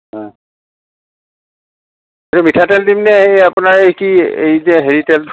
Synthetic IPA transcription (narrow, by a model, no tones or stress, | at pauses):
ɦɔ̃ | etumitʰatɛldimnɛejapunaɹejkiejzɛɦeɹitɛld